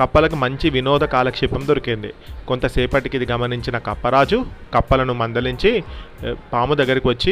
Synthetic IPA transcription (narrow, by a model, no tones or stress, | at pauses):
kɐpːɐlɐkumɐɲt͡ʃiʋinɔːd̪ʱɐkaːlɐkʂɛpːɐmd̪oɾɐkind̪ḭko̞nt̪ɐsɛːpɐʈikid̪iɡɐmɐniɲt͡ʃinɐkɐpːɐɾaːd͡ʒukɐpːɐlɐnumɐnd̪ɐliɲt͡ʃi | paːmud̪ɐɡːɐɾikiʋɐt͡ʃːi